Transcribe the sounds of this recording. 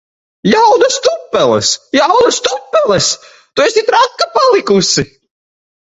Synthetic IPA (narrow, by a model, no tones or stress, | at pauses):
jawd̪ɐst̪upːɛlˠɛ̰sjawd̪ɐst̪upːɛlˠɛs | t̪uɛsit̪ɾakːapalˠikusi